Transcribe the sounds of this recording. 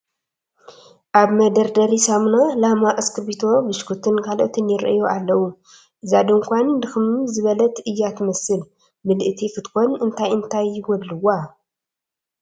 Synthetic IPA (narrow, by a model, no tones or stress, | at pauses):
ʔaβmɐd̪ɐɾd̪ɐɾisamnalamaʔskʰɨbit̪ʰo̞bɨʃkʰut̪ʰɨnkʰaloʔt̪ʰɨnjɪɾʔɨjoʔalːɐwu | ʔɨzad̪oŋkʷannd̪ɨxɨmzɨβɐlɐt̪ɨjːat̪ʰmɐsɨl | mɨlʔɨt̪ʰifɨt̪ʼkʰonɨnt̪ʰajɨnt̪ʰajwɔlːɨwa